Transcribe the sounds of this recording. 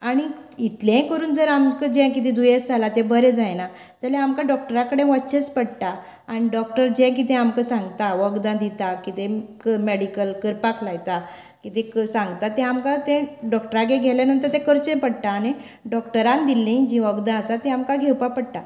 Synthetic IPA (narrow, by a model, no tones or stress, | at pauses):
aɽ̃iit̪lɛ̃kəɾuːnd͡zəɾamkəd͡ʑɛ̃kit̪ĩd̪ujesd͡zʱalat̪ɛ̃bəɾẽd͡zajna | d͡z̪alɛ̃amkaɖɔk̚ʈəɾãkəɽẽʋətːɕet͡spəɽʈ̪aː | ɽ̃iɖɔkʈəɾd͡ʑɛ̃k̬it̪̬ɛ̃amkəsãŋɡt̪aʋəɡd̪ãd̪it̪akit̪ekəmeɽikəlkəɾpaklajt̪a | kit̪ẽksãŋɡt̪at̪ɛ̃amkat̪ɛ̃ɖɔkʈəɾaɡeɡʱɛljanənt̪̬əɾt̪ɛ̃kəɾt͡ɕẽpəɽʈaːɽ̃i | ɖɔk̚ʈəɾãnd̪ilːĩd͡ʑĩʋəɡd̪ãəsat̪ɛ̃amkaɡʱewpapəɽt̪a